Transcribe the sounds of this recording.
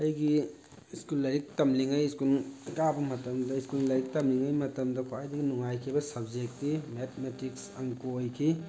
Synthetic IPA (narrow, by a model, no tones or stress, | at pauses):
ɐjɡi | skulːɐɾik̚tɐmliŋɐjskulɡabɐmɐtɐmdɐiskullɐɾik̚tɐmliŋɐjmɐtɐmdɐkʰoajdiɡinuŋajkʰibɐsɐb̚d͡ʒek̚tːimetʰmetiksɐŋkojkʰi